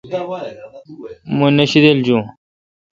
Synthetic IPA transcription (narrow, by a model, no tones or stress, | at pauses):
munɐɕid̪eld͡ʑũ